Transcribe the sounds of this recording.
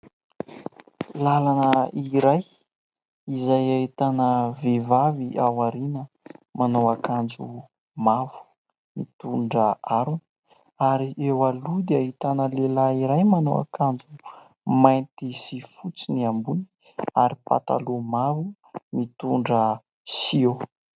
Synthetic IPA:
lalanəiɾaj | izajaɦit̪anəvevaviʔawaɾinə | manowakand͡zu | mavu̥ | mit̪uɳɖ͡ʐəaɾunə̥ | aɾiewalud̪eaɦit̪anəlelaiɾajmano̰wa̰kand͡ʒu | majnt̪isifut͡siniambuni̥ | aɾipa̰t̪a̰lumavu | mit̪uɳɖ͡ʐə | sio

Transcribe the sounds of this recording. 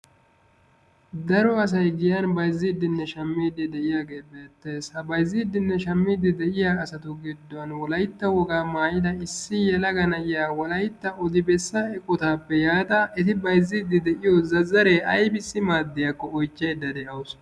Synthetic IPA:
d̪ɐɾɔɐs̬ɐjɡɪjanbɐjzːiːd̪ːɪnːɛʃɐmːiːd̪ːɪd̪ɛʔɪjaːɡe̞ːbeːt̪ːeːshɐbɐjzːiːd̪ːɪnːɛʃɐmːiːd̪ːɪd̪ɛʔɪjaːsɐt̪ʊɡɪd̪ːʊwɐnwɔlɐjt̪ːɐwɔɡaːmaːjɪd̪ɐɪsːɪjɛlɐɡɐnɐjjaːwɔlɐjt̪ːɐʔɔd̪ɪbɛsːɐɛkʼʊt̪aːpːɛjaːt̪ɐɛt̪ɪbɐjzːiːd̪ːɪd̪ɛʔɪjɔzɐzːɐɾe̞ːʔɐjbɪsːɪmaːd̪ːɪjɐkːɔɔjt͡ʃːejd̪ːɐd̪ɛʔɐwʊs

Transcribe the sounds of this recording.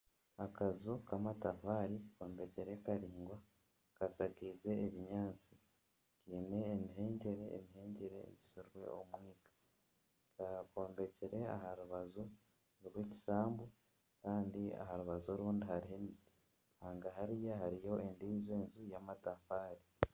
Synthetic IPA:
akazokamatafaːɾiko̞ːmbe̞ceɾe̞kaɾiːŋɡwa | kasaɡiːze̞ːβiɲaːt͡si̥ | ciːne̞ːmiɦe̞ːɲɟe̞ɾe̞̰ːmiɦe̞ːɲɟe̞ɾe̞̰ːβisoɾɾwe̞̰ʔomwiːkḁ | kako̞ːmbe̞ceɾe̞a̰haɾuβazo | niβweci̥saːmbu | kaːndia̰ɦaɾuβazo̞ɾuːndihaɾiɦemii | haːŋɡaɦaɾijahaɾijo̞e̞ndiːzweːnzujamatafaːɾi

